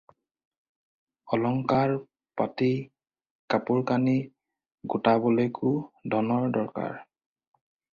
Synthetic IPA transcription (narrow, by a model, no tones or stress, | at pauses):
ɔlɔŋkaɹ | pati | kapʊɹkani | ɡʊtabɔlojkʰʊdʱɔnɔɹdɔɹka̰ɹ